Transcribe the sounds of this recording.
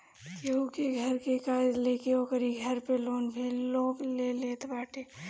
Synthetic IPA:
jɐukeɡʱɐɾkekaːd͡ʒleːkeoːkəɾiɡʱɐɾpeloːnbʱiloːkleleːt̪baːʈʰeː

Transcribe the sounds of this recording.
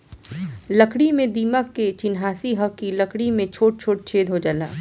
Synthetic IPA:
ləkɽimẽd̪iːməkːet͡ʃɪnɦaːsiɦəkkiləkɽimẽt͡ʃʰoːʈ̚t͡ʃʰoːʈ̚t͡ʃʰeːd̪ʱɦod͡ʒaːla̰ː

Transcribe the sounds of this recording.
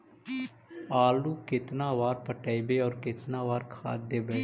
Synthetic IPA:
aːluːkɪt̪naːʋaːɾpəʈəːibeɔːɾkɪt̪naːʋaːɾkʰa̰ːd̪ebeː

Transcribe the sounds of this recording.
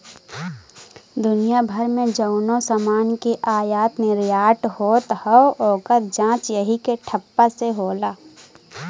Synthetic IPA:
d̪ʊnijabʱəɾmẽd͡ʒəʊnõsamaːnkeʔaːjaːt̪mẽɾɪjaːʈhoːt̪həooːkəɾd͡ʒãːt͡ʃjəɦikeʈʰəpːaseɦoːlaː

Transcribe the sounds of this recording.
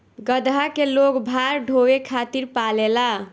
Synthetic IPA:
ɡəd̪ʱakelokbʱaɾɖʱowekʰat̪iɾpalela

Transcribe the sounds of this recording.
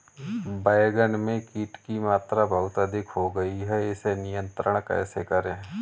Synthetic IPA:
baːjɡənmẽkiːʈkimaːt̪ɾabʱəɦʊt̪əd̪ʱɪkʰɦoɡɐiɦɛɪsenɪjə̃nt̪ɾəɽ̃kɛ̰ːsekɐɾẽː

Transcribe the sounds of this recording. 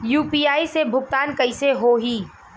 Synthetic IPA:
juːpiːaːisebʱʊk̚t̪aːnkɐɪseɦoːɦiː

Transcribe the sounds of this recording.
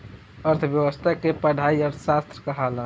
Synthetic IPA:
əɾt̪ʰbjəwəst̪ʰakepəɖʱaiəɾt̪ʰəsast̪ɾəkəɦalə

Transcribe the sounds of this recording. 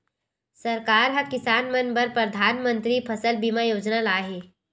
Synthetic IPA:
sɐɾkaːɾɦɐkɪsaːnmənbəɾpɾəd̪ʱaːnmə̃nt̪ɾipʰɐsəlbimajoːd͡ʒnalaːɦeː

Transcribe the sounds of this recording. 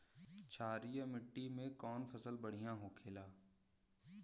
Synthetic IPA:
t͡ʃʰaːɾijəmɪʈːimẽkɔːnfʰɐsəlbɐɽ̤ijãɦokʰeːlaː

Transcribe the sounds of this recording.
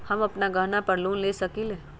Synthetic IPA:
hɐmɐpnaɡəɦnapəɾluːnlesəkile

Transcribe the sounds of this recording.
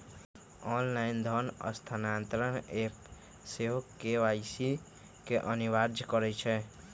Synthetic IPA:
ɔnlaind̪ʱɔnə̰st̪ʰanant̪ɾənep | seɦokeʋajsi | keʔəniʋaɾd͡ʒʱkəɾɛt͡ʃʰɛ

